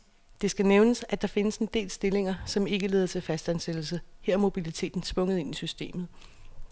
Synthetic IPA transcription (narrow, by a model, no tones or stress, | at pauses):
d̥e̝sɡ̥æneʊnəsæd̥ɑ̈fe̝nəse̝nd̥e̝̰ːlsd̥e̝le̝ŋɐsɒ̽me̝ɡ̥əle̝ːð̞ˠɐt͡sʰe̝lfæsd̥ænsed̥l̩səheɐ̰mo̝b̥ilit͡sʰe̝̰ːd̥n̩sb̥ɔ̽ŋəð̩ˠe̝nisysd̥e̝̰ːmð̞̩ˠ